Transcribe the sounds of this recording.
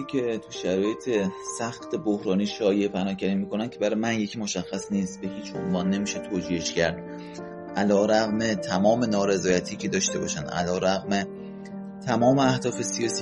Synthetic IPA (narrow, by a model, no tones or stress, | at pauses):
ikʰe̞t̪ʰuʃæɾɒːje̞t̪ʰe̞sæxt̪ʰe̞bohɾɒːniːʃɒːje̞ʔpʰænɒːcʰæɾiːmiːkʰo̞næn̥̚cʰe̞bæɾɒjmænje̞cʰiːmo̞ʃæxːæsniːst̪̚be̞hiːt͡ʃʰʔo̰nvɒːnːe̞miːʃet̪ʰoːd͡ʒiːheʃcæɾd̪̥̚ | ʔælɒːɾæɣme̞t̪ʰæmɒːme̞nɒːɾe̞zɒːjæt̪ʰiːcʰed̪ɒːʃt̪e̞bɒ̰ːʃænd̪ʔæ̰lɒːɾæɣme | t̪ʰæmɒːme̞æhd̪ɒːfe̞sijɒːsi